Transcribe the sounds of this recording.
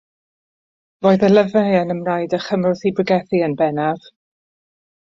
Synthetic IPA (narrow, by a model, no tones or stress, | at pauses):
voːɨðələvɛənəmnajdəχəmrʊθibrɪɡɛθiənbɛnav̥